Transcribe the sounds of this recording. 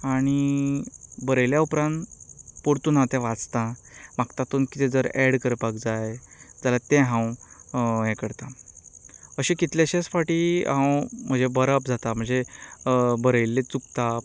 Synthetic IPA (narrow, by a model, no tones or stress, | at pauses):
aɽ̃i | bəɾəjljaupɾãnpoɽt̪uːnɦãwt̪ɛ̃ʋat͡st̪ãmakt̪at̪uːnkit̪ed͡zəɾɛɽkəɾpakd͡zajd͡zalat̪ẽɦãw | ɦɛ̃kəɽt̪ã | əɕĩkit̪laɕesfaʈiɦãwm̤əd͡zebəɾəpd͡zʱat̪am̤əɳd͡ze | bəɾəjlːet͡sukt̪a